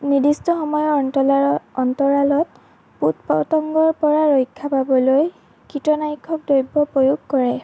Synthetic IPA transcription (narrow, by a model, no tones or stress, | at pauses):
nidistɔxɔmɔjɔɹɔntɔlaɔntɔɹalɔt | putpɔtɔŋɡɔɹpɔɹaɹojkʰːapabɔloj | kitɔnajkʰːɔk̚dojbːɔpojuɡkɔɹɛ